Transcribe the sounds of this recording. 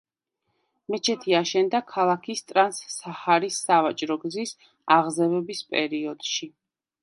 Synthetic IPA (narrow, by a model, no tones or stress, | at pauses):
mɛt͡ʃʰɛt̪ʰiaʃɛnd̪akʰalˠakʰist̪ʼɾansːahaɾisːavat͡ʃʼɾɔɡzis | aʁzɛvɛbispʼɛ̰ɾiɔd̪̥ʃi